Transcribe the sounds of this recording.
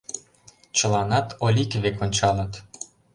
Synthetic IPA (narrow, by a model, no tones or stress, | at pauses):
t͡ɕə̆lˠɑnɑt̪ʰolʲikβekonʲt͡ɕɑlɤt̪